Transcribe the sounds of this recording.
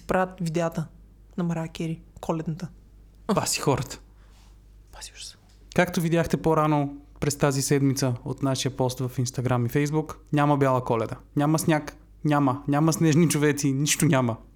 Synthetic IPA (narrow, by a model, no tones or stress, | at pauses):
i̥pɾaət̪vid̪ɛat̪ə | nɐmɐɾakʲɛɾikʰɔlɛd̪nɐt̪ə | basi̥xɔɾət̪ə̥ | pasi̥ | kakt̪ovid̪ʲjaxt̪ɛpoɾanopɾɛst̪azisɛd̪mit̪səot̪naʃijəpɔst̪vɐfinst̪ɐɡɾamifɛjzbuknʲamɐbjalˠəkɔlɛd̪ənʲamɐsnʲak | nʲamənʲaməsnɛʒnit͡ʃovɛt̪siniʃt̪onʲamə